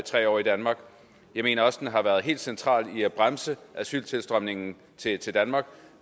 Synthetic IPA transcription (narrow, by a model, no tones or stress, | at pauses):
t͡sʰʁɛ̰ːɒ̰ːid̥ænmɑ̈ɡ̥ | jɑ̈ɪme̝ːnɐɒ̽səd̥enɦɑ̈ʋæɐð̞̩ˠɦe̝̰ːld̥sent͡sʰʁɑ̰̈ːliæb̥ʁamsəʔæsy̰lt͡sʰe̝lsd̥ʁœmne̝ŋn̩ | t͡sʰe̝t͡sʰe̝ld̥ænmɑ̈ːɡ̥